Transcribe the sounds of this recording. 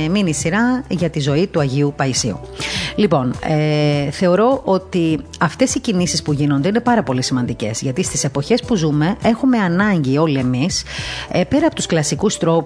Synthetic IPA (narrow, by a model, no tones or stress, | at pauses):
minisiɾɐʝɐt̪izo̞it̪uɐʝiupɐisḭṵ | lipo̞neθe̞o̞ɾo̞ʔo̞t̪iɐft̪e̞sicinisispuʝino̞nd̪e̞ine̞pɐɾɐpo̞lisimɐnd̪ice̞̰z̥ʝɐt̪ist̪ise̞po̞çe̞spuzume̞ʔe̞xume̞ɐnɐɲɟio̞lie̞mispe̞ɾɐːpo̞t̪usklɐsikust̪ɾo̞p